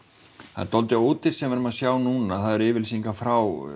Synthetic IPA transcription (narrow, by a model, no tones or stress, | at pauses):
θa̰ðt̪ɔlt̪ɪoːwt̪ɪɾ̥sɛmvɛːɾʏmaðsjaːwnuːnaθaðɛɾɪːvɪlsiŋkafɾaw